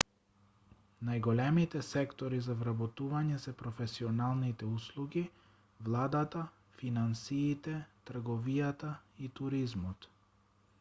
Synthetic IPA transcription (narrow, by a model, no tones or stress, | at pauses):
najɡɔlɛmit̪ɛsɛkt̪ɔɾizavɾabɔt̪uvaɲɛsɛpɾɔfɛsiɔnalˠnit̪ɛuslˠuɡi | vlˠad̪at̪a | finansiːt̪ɛt̪r̩ɡɔvijat̪ait̪uɾizmɔt̪